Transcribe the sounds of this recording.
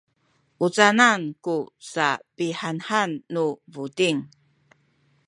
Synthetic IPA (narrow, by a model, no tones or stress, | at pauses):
ʔut͡sanankusapiħanħanːuvutiŋ